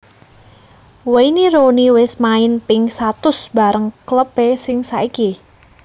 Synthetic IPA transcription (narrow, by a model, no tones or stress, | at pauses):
weiniɾoniwɪsmaɪnpɪŋsat̪ʊsb̥a̤ɾəŋkələb̥esɪŋsaiki